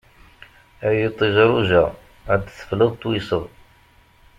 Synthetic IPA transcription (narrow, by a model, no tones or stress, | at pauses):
æjit̪ˤːiʒɾuʒæ | ʕad̪θə̥fləðˤt̪ːˤwisəðˤ